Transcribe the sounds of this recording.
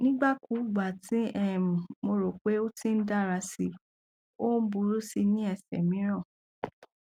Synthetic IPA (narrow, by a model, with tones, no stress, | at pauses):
nĩ˦ɡ͡ba˦ku˨˦˨ɡ͡ba˨tĩ˨˦ɛ˦˨mũ˨mo˧ɾo˨k͡pe˨˦o˦tĩ˦n̩˦da˦˨ɾa˧si˧˦ | o˦n̩˦bu˧˦ɾu˦si˧nĩ˦ɛ˧sɛ̰˨mĩ˨˦ɾ̃ɔ̃˦˨